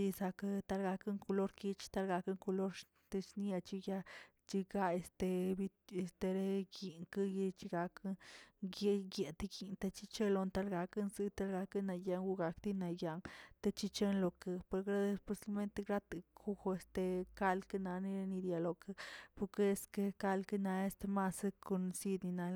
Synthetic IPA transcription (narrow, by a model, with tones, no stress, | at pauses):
i˧sa˧ka˦t̪a˦lɡa˧kɨ˦ŋko˧lo˦ɾki˦t͡ʃt̪a˦lɡa˧ka˦ŋko˧lo˦ɾ | t̪e˧ʃni˦ja˧t͡ʃi˦ja˦ | t͡ʃi˧ɡa˦e˧st̪e˧bi˧e˨st̪e˧ɾe˦ɡi˨ŋkɨ˦ji˧t͡ʃi˧ɡa˧kɨ˦ɡe˦ɡe˨t̪i˦ɡi˨nt̪a˧t͡ʃi˦t͡ʃe˦lo˧nt̪a˦lɡa˧kɨ˦nzɨ˧t̪a˦lɡa˧kɨ˦na˧ja˧ŋɡu˧ɡa˨kt̪i˦na˨ja˧ŋt̪a˦t͡ʃi˦˧t͡ʃe˦nlo˨ke˧˨pe˧ɾɡɾa˦d̪e˧spe˧˦si˧˦me˦nt̪e˧ɡɾa˦t̪ɨ˨kʰu˦xo˧e˧st̪e˧ka˦lkɨ˦na˧ni˧ɾe˧ni˧d̪ja˨lo˨kɨ˧pu˧ke˦e˧ske˧ka˦lkɨ˦na˧e˦st̪e˧ma˦sko˧nsi˧d̪ni˧na˧